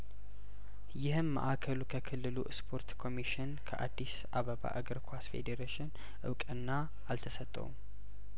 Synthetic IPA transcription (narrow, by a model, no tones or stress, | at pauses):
jɪhɨmːə̰ʔakʰəlukʰəkʰɨlːɨlṵʔspʰo̞ɾt̪kʰo̞miʃɪnkʰəʔad̪ːisʔaβəβa̰ʔaɡəɾkʰʷasfe̞̰d̪eɾeʃɪn | ʔɨ̰wkʼɨnːa | alt̪ʰəsət̪ʼːə̰wṵm